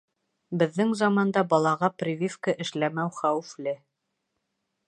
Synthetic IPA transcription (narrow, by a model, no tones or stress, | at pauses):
bɘ̆ðːɘŋzɑmɑnd̪ɑbɑlˠɑʁɑprʲivʲifkəʔɘ̆ʃlæmæwχæwɘ̆flɘ